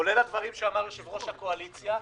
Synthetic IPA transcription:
olelad̪vaʁimʃeamaʁoʃebʁo̞ʃhakoalit͡sja

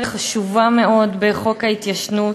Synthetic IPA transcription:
χaʃuvameo̞d̪beχo̞khait̪jaʃnu

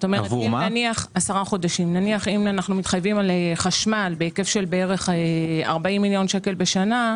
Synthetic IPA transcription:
t̪omevuniaχasaʁaχo̞daʃimnaniaχimanaχnumit̪χajvimalχaʃmalbeeke̞fʃe̞lbeeʁe̞χea̰ʁbaimːiljo̞nʃeke̞lbe̞ʃana

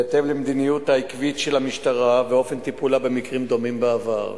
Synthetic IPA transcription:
at̪e̞vlemd̪inijut̪haikvit̪ʃelamiʃt̪aʁaveo̞fe̞nt̪ipulabe̞mikʁimd̪o̞mimbeava̰ʁ

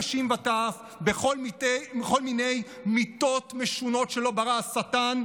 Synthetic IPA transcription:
ʃimvataːf | beχolmiteeχo̞lmine̞j | mit̪o̞t̪meʃuno̞tʃe̞lo̞baʁasatan

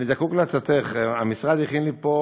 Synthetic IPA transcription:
nizakukleat͡sat̪eχamisʁad̪jiχinlipo

